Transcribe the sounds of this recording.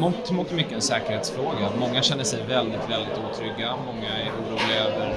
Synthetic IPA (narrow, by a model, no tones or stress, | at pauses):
mut̪muːt̪mʏkːəɛnsɛːkəɾheːt̪sfɾoːɡamɔŋːaɕɛnːəʂɛjvɛld̪ɪt̪vɛld̪ɪt̪uːt̪ʰɾʏɡːamɔŋːaæɾuːɾuːlɪaøːvəɾ